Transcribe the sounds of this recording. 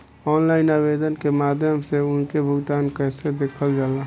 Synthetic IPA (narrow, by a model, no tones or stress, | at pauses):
ɔːnlaːɪnaːbeːd̪ənkemaːd̪ʱjəmseʊnkebʱʊɡt̪aːnkɛːsed̪eːkʰəld͡ʒaːla